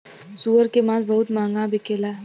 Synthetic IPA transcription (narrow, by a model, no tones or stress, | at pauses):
suəɾkemãzbəɦut̪mãːŋɡãbikela